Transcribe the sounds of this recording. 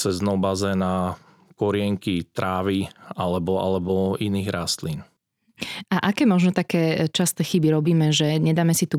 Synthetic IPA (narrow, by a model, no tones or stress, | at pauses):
t͡sɛznɔʊbazɛna | kɔɾɪɛŋkit̪ɾaːʋialɛbɔa̰lɛbɔiniːɣɾast̪lin | aʔakɛːmɔʒnɔt̪akɛːt͡ʃast̪ɛːxibiɾɔbiːmɛʒɛɲɛd̪aːmɛsit̪u